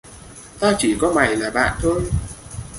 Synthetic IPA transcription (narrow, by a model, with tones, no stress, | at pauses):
t̪aː˧t͡ɕi˧˩kɔ˨˦ma˨˩jlaː˨˩ɓa̰ː˧˨nt̪ʰo˧j